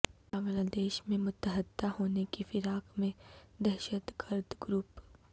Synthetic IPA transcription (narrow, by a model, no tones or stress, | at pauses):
aːʋlad̪eːʃmẽmʊt̪ːəɦəd̪ːahoːnekifɪɾaːkmẽd̪ɛɦʃət̪ɡəɾd̪ɡɾuːp